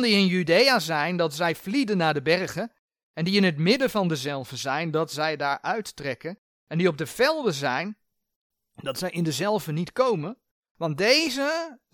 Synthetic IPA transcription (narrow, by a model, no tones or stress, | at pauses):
ndiɪnjydejazɛjndɑtsɛjvlidənːaːɹdəbɛɹχən | ɛndiɪnɦətmɪdəvɑndəzɛlˠvəzɛjndɑtsɛjdaːɹʔœɥtːrɛkən | ɛndiɔb̚dəv̥ɛlˠdəzɛjn | d̥ɑtsɛjɪndəzɛlˠvənitkowmən | ʋɑnt̚dejzə